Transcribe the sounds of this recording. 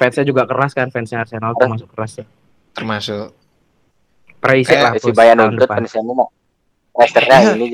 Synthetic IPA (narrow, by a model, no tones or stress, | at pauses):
fɛnsad͡ʒuɡakəɾaskanfɛnsiarsenalt̪mas̬ʊkəɾasja | t̪ərmasʊʔ | pɾeisɪlahpibajanundəʊtpapənisanina | mast̪ərɲainid͡ʒ